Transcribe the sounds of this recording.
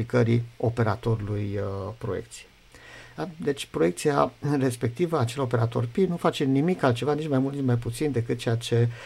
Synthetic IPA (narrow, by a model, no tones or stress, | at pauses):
ikəɾio̞pe̞ɾa̰t̪o̞ɾulujpɾo̞jḛkt̪sije | d̪e̞t͡ʃʲpɾoe̞k̚t̪siare̞spe̞k̚t̪ivəat͡ʃe̞lo̞pe̞ɾat̪o̞̰rpinufat͡ʃemnimikalt̪t͡ʃe̞vanit͡ʃmajmult̪nit͡ʃmajput̪sind̪e̞kɨt̪̚t͡ʃe̞jat͡ʃe̞